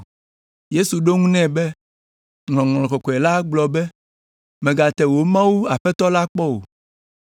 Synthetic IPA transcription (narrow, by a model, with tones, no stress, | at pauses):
je˦su˨ɖo˦ŋũ˦nɛ̃˦˨bɛ˦ | ŋl̃ɔ̃˨ŋl̃ɔ̃˨kɔ˨kɔ˨ɛ˨la˦ɡ͡blɔ˨bɛ˦ | mɛ̃˨ɡa˨t̪ɛ˨wo˨˦mã˦wu˦a˨ɸɛ˦t̪ɔ˦la˦k͡pɔ˦o̰˨